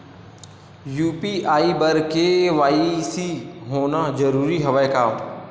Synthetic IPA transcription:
juːpiʔaːibɐɾkeʋaːisiɦoːnad͡ʒɐɾuːɾiɦɐʋaːjkaːm

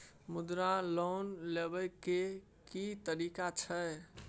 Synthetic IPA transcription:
mud̪ɾalɔnlebəjke | kit̪əɾikat͡ʃʰəj

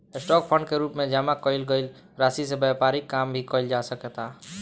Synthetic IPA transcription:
sʈɔk̚pʰəɳɖkeɾupmed͡ʒamakəɪlɡəɪl | ɾasisẽbjapaɾikːambʱikəɪld͡ʒasəket̪a

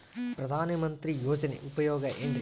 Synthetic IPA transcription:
pɾɐd̪ʱaːnɐmɐnt̪ɾijoːd͡ʒɐnḛʔupɐjɔːɡɐʔeɳɖ

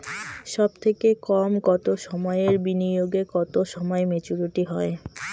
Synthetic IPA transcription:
ʃɔbt̪ʰekekɔmkɔt̪oʃɔmɔeeɾbinioɡekɔt̪oʃɔmɔemet͡ɕuɾiʈiɦɔe

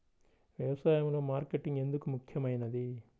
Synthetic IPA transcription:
ʋjɐʋɐsaːjɐmlo̞ːmaːɾkeʈːiŋɡe̞nd̪ukumukʰjɐmɐjnɐd̪i

